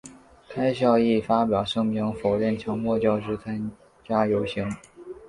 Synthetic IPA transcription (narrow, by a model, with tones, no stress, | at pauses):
kʰa˥ɪɕ̬jɑ˥˧ʊi˥˩fa˥pjɑ˨˩ʊʂɤ˥ŋmi˧˥ŋfo˨˩ʊɻɛ˥˩nt͡ɕʰjɑ˧˥ŋmwɔ˥˧t͡ɕjɑ˥˧ʊʂɻ̩˥˩t͡sʰa˥n | t͡ɕja˥jo˧˥ʊɕi˧˥ŋ